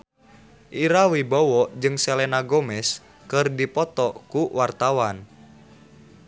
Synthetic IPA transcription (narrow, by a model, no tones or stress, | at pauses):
ʔiɾawibɔwɔʔd͡ʒɨŋsɛlɛnaɡɔmɛs | kɨrdipɔt̪ɔkuwart̪awan